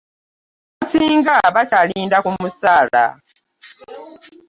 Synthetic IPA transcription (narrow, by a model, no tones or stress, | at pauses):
βasiːŋɡaβacaliːndakumusaːla̰